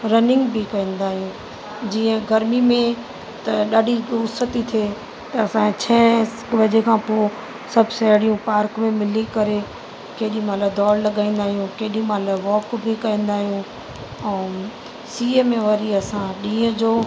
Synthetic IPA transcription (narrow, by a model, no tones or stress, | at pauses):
ɾɐnɪ̃ŋɡbʱikɐĩːn̆d̪aːɦijũː | d͡ʑiːə̃ɡɐɾmimẽ | t̪ɐɗaːɖiʊsət̪it̪ʰieː | t̪ɐɐsãt͡ɕʰɛ̃ːkʋɐd͡ʑekʰãpoː | sɐbʱsɛɦɽijũpaːɾkmẽmɪlikɐɾe | keːɗĩmɐt̪ləbd̪ɔːɾlɐɠaːĩːn̆d̪aːɦijũkeːɗĩmɐləbʋɔːkbʱikɐĩːn̆d̪aːɦijũ | ɛ̃ | siːemẽʋɐɾiɐsãɗĩːə̃d͡ʑoː